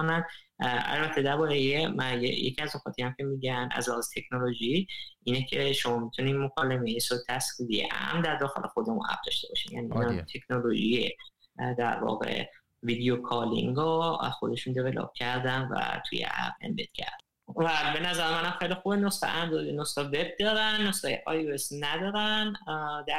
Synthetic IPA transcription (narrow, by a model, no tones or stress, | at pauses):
onænæ̰lbæt̪ʰe̞d̪æɾbɒːɾejemæjejḛcʰiæznoxɒːt̪ʰijæmcʰe̞miːɟænæ̰zlæhɒːzet̪ʰeknoloʒiinecʰe̞ʃo̞mɒːmit̪ʰuniːnmokʰɒːlemejesot̪ʰæsid̪ijḛʔæ̰mnd̪æɾd̪ɒːxḛlʔexo̞d̪emunʔæ̰b̚d̪ɒʃt̪e̞bɒ̰ʃiːnjæ̰ːniːnɒt̪ʰe̞knoloʒie | d̪æɾvɒ̰ːɣe̞̰ | viːd̪ijokʰɒlḭŋɡɒæ̰zxo̞d̪e̞ʃund̪evelɒ̰ːb̥̚cʰæɾd̪ænvæ̰t̪ʰṵjḛʔæ̰bḛnbḛt̪cʰæ̰ɾd̪̥æ | væbe̞næzæɾemænæmxejlixubenosɑ̰ʔæmd̪oenost̪ɒveb̚d̪ɒːɾænːost̪ɒːjeʔɒjuesnæd̪ɒːɾænd̪æ